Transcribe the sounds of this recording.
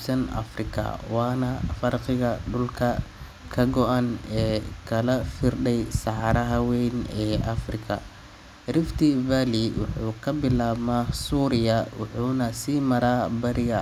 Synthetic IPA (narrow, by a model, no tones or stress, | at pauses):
sɐnɐ̰frɪkʰɐ̰wɑːnɐfɐrqɪɣɐɖʊlkʰɐ | kʰɐɡɔʔɐnɛːkʰɐlɐfɪrɖɛjsɑħɑɾɐɦɐwɛjnɛːʔɐfrɪkʰɐ̰ | rɪft̪ʰivaːliwʔʊħuːkʰɐbɪlaːmaːsuːɾɪjɐwʊħuːnɐsiːmɐɾaːbɐɾɪɣɐ